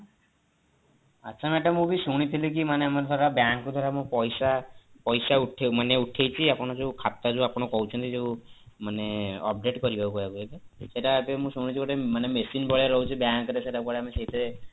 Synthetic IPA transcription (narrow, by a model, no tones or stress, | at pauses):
atːt͡ʃʰamaʈamũbisuɽ̃it̪ʰilekimaneamaɾd̪ʱaɾabjaŋkud̪ʱaɾamũpɔjsapɔjsauʈʰemaneuʈʰejt͡ʃʰiapɔɽ̃ɔd͡ʒeukʰat̪ːad͡ʒẽapɔɽ̃ɔkɔwt͡ʃʰɔnt̪id͡ʒeũ | maneɔ̰p̚ɖeʈkɔɾibʱabukɔabuebeseʈapemũsuɽ̃it͡ʃʰikɔʈemanemesinbɔɭeɾɔɦut͡ʃʰibjaŋkɾeseʈakɔɭeameseit̪ʰaɾe